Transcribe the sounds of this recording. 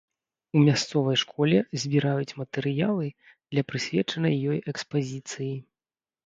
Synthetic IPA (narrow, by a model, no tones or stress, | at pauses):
umʲast̪sɔvɐjʂkʰɔlʲɛzʲbʲiɾajut͡sʲmɐt̪ɛɾɨjalˠɨ | d̪̥lʲɐpɾɨsʲvʲɛt͡ʂɐnɐjːɔjɛkspazʲit̪sɨji